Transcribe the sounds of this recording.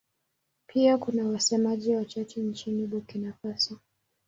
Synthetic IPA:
pʰiakunawasɛmaʄiwat͡ʃat͡ʃɛnt͡ʃiniɓukinafasi

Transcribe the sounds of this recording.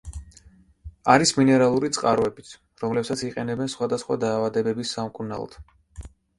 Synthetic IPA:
aɾisminɛɾalˠuɾit̪sʼqʼaɾɔɛbit̪sʰ | ɾɔmlɛpsat̪sʰiqʼɛnɛbɛnsχwad̪asχwa̰d̪aːvad̪ɛbɛbisːamkʼuna̰lˠɔ̰d̪̥

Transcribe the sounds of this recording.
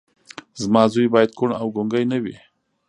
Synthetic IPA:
zmɑzujbɑjad̪̚kʊɳawɡoŋɡajnawḭ

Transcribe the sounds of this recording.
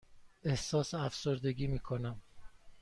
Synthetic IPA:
e̞hsɒːseæfsoɾd̪e̞ɡiːmiːkʰonæm

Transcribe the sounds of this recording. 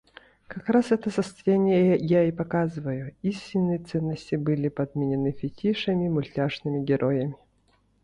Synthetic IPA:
kɐkɾasɛt̪əsəst̪ɐjanʲɪjəjaipɐkazɨvɐjʊisʲtʲɪnːɨjɛt̪sɛnːəsʲtʲibɨlʲipɐd̪mʲinʲɪnɨfʲɪtʲiʂɐmʲimʊlʲtʲaʐnɨmʲɪɡʲɛɾʔɔjɐmʲɪ

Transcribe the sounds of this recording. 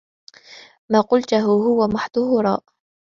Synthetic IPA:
maːqʊlt̪ʊɦʊɦʊwamaħd̪ʊhʊɾˤɑ̰ːʔ

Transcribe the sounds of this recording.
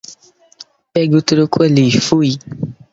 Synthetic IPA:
bɛɡutoɾokʰelifui

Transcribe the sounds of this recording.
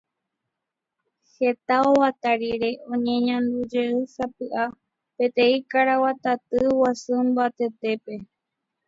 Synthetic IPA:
he̞t̪aowat̪aɾiɾe̞ʔõ̞ɲẽɲãnd̪ud͡ʒeɨsapɨʔa | pe̞t̪ẽ̞ikaɾawat̪at̪ɨwasɨmbat̪e̞t̪e̞pe̞

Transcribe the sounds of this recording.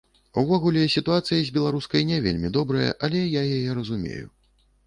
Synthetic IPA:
uvɔɣulʲɛsʲit̪uat̪sɨjɐzʲbʲɛlˠaɾuskɐjnʲɛvʲḛlʲmʲid̪ɔbɾɐjɐ̰ʔɐlʲɛjajajɛɾɐzumʲḛjṵ

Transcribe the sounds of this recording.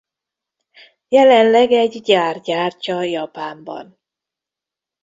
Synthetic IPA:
jɛlɛnlɛɡɛɟɟaːrɟaːrcɒjɒpaːmbɒ̰n

